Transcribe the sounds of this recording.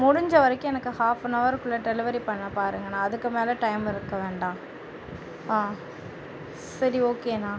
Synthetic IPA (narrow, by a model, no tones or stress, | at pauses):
mʊɽʊɲd͡ʒɐʋɐɾɐkːʊ̃ɛnɐkːɯhaːfnɐʋɐɾkɯɭːɐʈɛlɪʋɐɾipɐɳːɐpaːɾɯŋɡɐnːãːɐðɯkːɯmeːlɐʈɐɪmɪɾɯkːɐʋeːɳɖãː | ãː | sɐɾioːkeːnãː